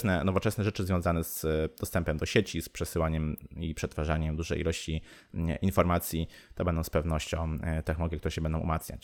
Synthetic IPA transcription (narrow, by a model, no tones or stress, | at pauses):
snɛnɔvɔt͡ʂɛsnɛʐɛt͡ʂɘzvʲjɔ̃zanɛz̥d̪̥ɔst̪ɛmpɛmd̪ɔɕet͡ɕispʂɛsɘwaɲɛmipʂɛt̪faʐaɲɛmd̪uʐɛ̰jilɔɕt͡ɕi | infɔɾmat̪sʲjit̪ɔbɛnd̪ɔ̃wspɛvnɔɕt͡ɕɔ̃w̃t̪ɛxnɔlɔɡʲjɛkt̪uɾɛɕɛbɛnd̪ɔ̃w̃ʔṵmat̪sɲa̰t͡ɕ